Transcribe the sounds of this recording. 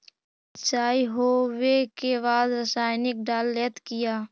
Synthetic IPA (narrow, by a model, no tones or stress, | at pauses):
t͡ʃaːiɦoːwekebaːd̪ɾəsaːɪnɪk̚ɖaːlːet̪kɪjaː